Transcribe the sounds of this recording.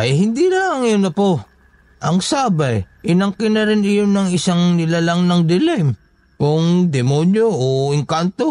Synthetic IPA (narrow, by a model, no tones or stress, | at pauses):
ʔɐjɦɪnd̪ilaŋjonɐpo | ʔɐŋsaːbajʔɪnɐŋkɪnɐɾɪnɪjonːɐŋɪsaŋnɪlalaŋnɐŋd̪ɪlɛjm | kʊŋd̪ɛmonjoʔoɪŋkant̪o̞